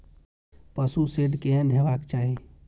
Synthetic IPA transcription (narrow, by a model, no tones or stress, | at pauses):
pəsuseɖkeənɦebakt͡ʃaɦi